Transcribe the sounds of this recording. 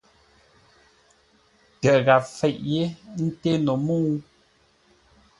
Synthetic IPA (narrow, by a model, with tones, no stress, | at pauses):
tə˨ʔɣa˨fɛ˨ʔje˦n̩˦te˦no˨muː˦